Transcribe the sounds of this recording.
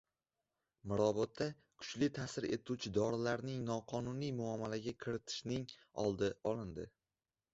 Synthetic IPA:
mɪɾɒbɒt̪ʰːa | kʰʊ̥t͡ʃlɪt̪ʰasɪɾe̞̰t̪ʰut͡ʃʰɪd̪ɒɾɪlaɾnɪŋnɒqʰɒnunijmʊamːalaɡʲakʲʰɪɾɪt̪ʰɪ̥ʃnɪŋ | ɒ̰lˠd̪ɪɒlˠɪnd̪ɪ

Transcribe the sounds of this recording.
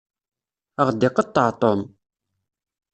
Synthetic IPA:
aχd̪eqət̪at̪om

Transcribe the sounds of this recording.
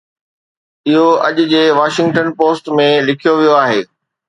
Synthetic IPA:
ɪɦoɐ̰ʄʊd͡ʑeːʋaːʃɪ̃ŋɡʈənpoːsʈmẽlɪkʰijoʋijoaːɦeː

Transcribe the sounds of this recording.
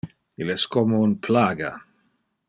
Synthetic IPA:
ilɛskɔmounpʰlaːɡa

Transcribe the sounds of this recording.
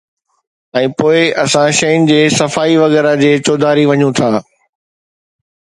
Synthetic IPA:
ɛ̃ːpoːɪʔɐsãʃɐjʊnɪ̆d͡ʑeːsɐfaːiʋɐɣɛːɾad͡ʑeːt͡ɕoːd̪ʱaːɾiʋɐɲũt̪ʰaː

